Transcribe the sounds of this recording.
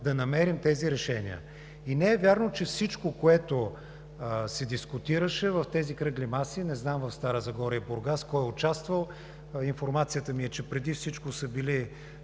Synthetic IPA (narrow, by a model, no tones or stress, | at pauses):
d̪ɐnɐmɛɾimt̪ɛziɾɛʃɛnḭə̰ | inɛɛvʲjaɾnot͡ʃɛfsit͡ʃkokoɛt̪o | sɛd̪iskʊt̪iɾəʃɛvɐft̪ɛzikɾɤɡlimasinɛznamvɐfst̪aɾəzɐɡɔɾiiboɾɡaskɔjʊt͡ʃast̪vəlˠ | infoɾmat̪sijət̪əmiɛt͡ʃɛpɾɛd̪ifsit͡ʃkosəbili